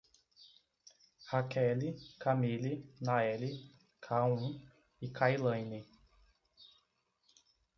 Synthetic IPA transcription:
hakʰɛlikamilinaɛli | kʰaũ | ikʰajlɐ̃jni

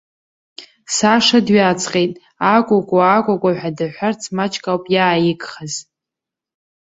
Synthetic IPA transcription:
saʂadɥat͡sʰʼqʼejtʼ | akʷʼakʷʼaakʷʼakʷʼaħʷᶣadɨħʷart͡sʰmat͡ʃʰʼkʼawpʼjaːjɪkʼχaz̥

